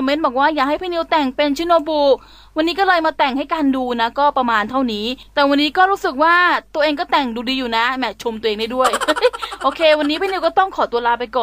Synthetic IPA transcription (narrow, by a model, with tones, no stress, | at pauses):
ɔ˧me˦˥nbɔː˨˩k̚waː˥˩jaː˨˩k̚ha˥˩pʰiː˥˩ni˧˥wt̪ɛ˨˩ŋpe˧nt͡ɕʰi˧˥˦noː˧buː˧˩ | wa˧nːiː˦˥kɔ˥˩lɤː˧jmaː˧t̪ɛ˨˩ŋha˥˩jkaː˧nduː˧na˦˥kɔː˥˩pɾa˧maː˧nt̪ʰa˥˩wniː˦˥t̪ɛː˨˩wa˧nːiː˦˥kɔː˥˩ɾuː˦˥sɯ˨˩k̚waː˥˩t̪u˧əʔeː˧ŋk̬ɔː˥˩t̪ɛ˨˩ŋduː˧diː˧juː˨˩na˦˥mɛ˦˥t͡ɕʰo˧mt̪u˧ʔeː˧ndaː˥˩du˥˩əjhɤ˦˥jʔoː˧kʰeː˧wa˧nːiː˦˥pʰiː˥˩ni˧wkɔː˥˩t̪ɔ˥˩ŋkʰɔː˩˦t̪u˧ɐlaː˦˥pa˧jkɔː˨˩n